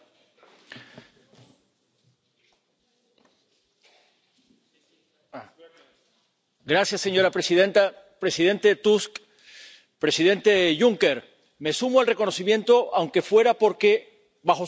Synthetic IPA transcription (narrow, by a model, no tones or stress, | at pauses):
ɡɾasjasːe̞ɲo̞ɾapɾesiðent̪apɾesið̞e̞nt̪e̞t̪usk | pɾe̞siðẽ̞nt̪e̞ʝuŋke̞ɾ | mesumoelre̞ko̞no̞simjẽ̞nt̪o̞ʔawŋke̞fwe̞ɾapo̞ɾke̞ | baxo